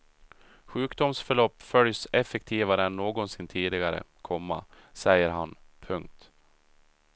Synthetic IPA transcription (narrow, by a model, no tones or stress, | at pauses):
ɧʉ̟ːkd̪ʊmsfœɭɔpːfœljsɛfɛkt̪ʰiːvaɾəɛnːoːɡɔnsɪnt̪ʰiːd̪ɪɡaɾə̰kʰɔmːa̰ | sɛjəɾɦanpʰɵŋk̚t̪